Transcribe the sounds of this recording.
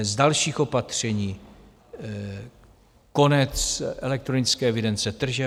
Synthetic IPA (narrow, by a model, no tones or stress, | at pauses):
zdalʃiːxo̞pat̪r̝̥ɛɲiː | konɛt͡sʔɛlɛk̚t̪ɾonɪt͡skɛːɛvɪdɛnt͡sɛt̪r̩ʒɛ